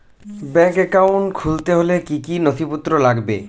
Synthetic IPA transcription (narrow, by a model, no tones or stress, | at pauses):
bɛkɛkawɳʈkʰult̪eɦolekikinot̪ʰiput̪ːɾolaɡbe